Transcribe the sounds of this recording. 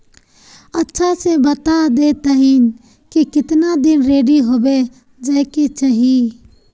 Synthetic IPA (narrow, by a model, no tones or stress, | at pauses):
ətːʃʰasebət̪ad̪et̪əɦin | kikɪt̪nad̪ɪnɾeːɖiɦobe | d͡ʒəɪket͡ʃəɦi